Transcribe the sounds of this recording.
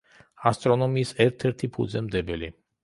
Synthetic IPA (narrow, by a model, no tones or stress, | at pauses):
ast̪ʼɾɔnɔmiːsɛɾt̪ʰɛɾt̪ʰipʰud̪zɛmd̪ɛbɛli